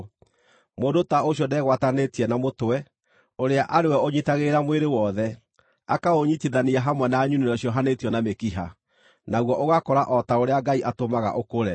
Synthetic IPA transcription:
moːdotaoɕjɔdɛɣwatanetiɛnamotwɛ | oɾeaʔaɾewɛoɲitaɣeɾamweɾewɔðɛ | akaoɲitiðaniaɦamwɛnaːɲuniɾɔɕiɔɦanetjɔnamekiɦa̰ | naɣwɔʔoɣakɔɾaʔɔtaoɾeaɡaiʔatomaɣa̰ʔokoɾɛ

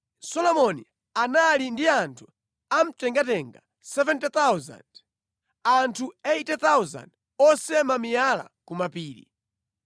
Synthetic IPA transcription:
sɔlɔmɔni | analindiantʰu | am̩tɛŋɡatɛŋɡa | sɛvɛntt̪awza̰nd̥ | antʰueitɛt̪awza̰nd | ɔsɛmamijala̰kumapiːɾḭ

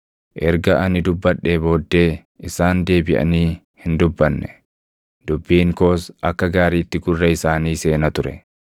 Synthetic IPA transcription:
ʔɛɾɡɐʔɐnɪd̪ʊbːɐᶑːeːbo̞ːd̪ːe̞ː | ʔɪsaːnd̪e̞ːbɪʔɐ̰niː | hɪnd̪ʊbːɐnːɛ̥ | d̪̥ʊbːiːŋko̞ːsʔɐkːɐɡaːɾiːt̪ːɪɡʊrːɐɪsaːniːse̞ːnɐt̪ʊɾɛ̰

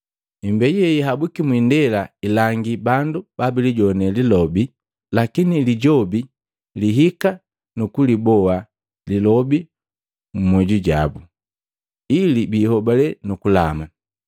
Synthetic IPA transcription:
imbɛɟjɛiɦabukimwindɛlailaŋɡibandub̥abiliɟɔnɛlilɔbi | lakiniliɟɔbi | liɦika | nukulibɔwa | lilɔbi | mumwɛɟuɟabu | ilibiːhɔbalɛnukula̰ma

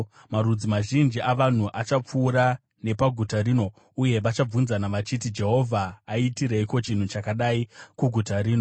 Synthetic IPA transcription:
maɾud͡zimaʒind͡ʒiʔaʋan̤uʔat͡ʃap͡fuːɾa | ne̞paɡʱutaɾiːno̞ | uje̞ʋat͡ʃab͡vunzanaʋat͡ʃitid͡ʒe̞ɦo̞vʱaːitiɾeiko̞t͡ʃin̤ut͡ʃakaɗaikuɡʱutaɾiːno

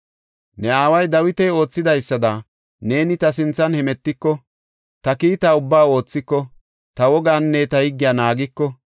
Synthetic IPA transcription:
nɛaːwɐjd̪ɐwɪt̪ɛjo̞ːt͡sːɪd̪ɐjsːɐd̪ɐ | ne̞ːnɪt̪ɐs̬ɪnt͡sːɐnhɛmɛt̪ːɪkːɔ | t̪ɐkiːt̪aːʊbːaːo̞ːt͡sːɪkːɔ | t̪ɐwɔɡaːnːɛt̪ɐhɪɡːɪjaːnaːɡɪkːɔ

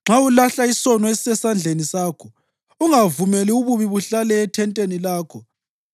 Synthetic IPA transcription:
ŋ͡ǁʱaulaɬaisɔnɔesɛsand͡ɮʱenisaːkʰɔ | uŋavumeliuβuβiβuɬalɛːtʰɛntʼenilaːkʰɔ

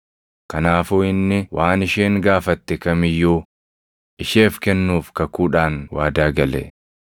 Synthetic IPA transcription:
kɐnaːfoːɪnːɪwʔaːnɪʃeːŋɡaːfɐt̪ːɛkɐmɪjːuː | ʔɪʃeːfkɛnːuːfkɐkuːᶑaːnwaːd̪aːɡɐlɛ̰

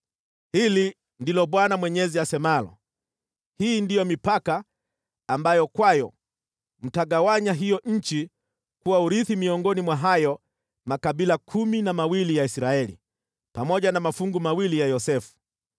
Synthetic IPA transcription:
hili | ndilɔɓwanamwɛɲɛziasɛmalɔ̰ | hiːndijɔmipakaː | mbajɔkwajɔ̰ | m̩taɡawaɲaɦijɔʔɲ̩t͡ʃi | kuwauɾiθimiɔŋɡɔnimwaɦajɔ | makaɓilakʰuminamawilijaisɾaɛlḭ | pamɔʄanamafuŋɡumawilijajɔsɛfu̥

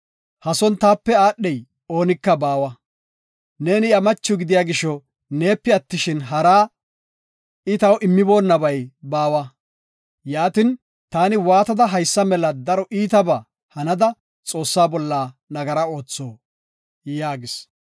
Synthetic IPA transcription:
hɐsɔnt̪aːpːɛaːɗːɛj | o̞ːnɪkːɐbaːwɐ | ne̞ːnɪɐmɐt͡ʃːʊɡɪd̪ɪjaːɡɪʃɔ | ne̞ːpːɪɐt̪ːɪʃɪnɦɐɾaː | ɪt̪ɐwʔɪmːɪbo̞ːnːɐbɐjbaːwɐ | jaːt̪ɪn | t̪aːnɪwaːt̪ɐd̪ɐɦɐjsːɐmɛlɐd̪ɐɾɔʔiːt̪ɐbɐ | hɐnɐd̪ɐ | t͡sʼo̞ːsːaːbɔlːaːnɐɡɐɾɐo̞ːt͡sːo̞ː | jaːɡɪs

